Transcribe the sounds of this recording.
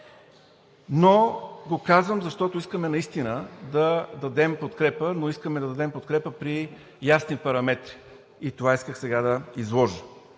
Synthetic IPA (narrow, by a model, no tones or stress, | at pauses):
noɡokazvəmzɐʃt̪ɔt̪oiskəmɛnɐist̪inəd̪ɐd̪ɐd̪ɛmpot̪kɾɛpənoiskəmɛd̪ɐd̪ɐd̪ɛmpot̪kɾɛpəpɾi | jasnipɐɾɐmɛt̪ɾi | it̪ovaiskəxsɛɡad̪ɐizlˠɔʒə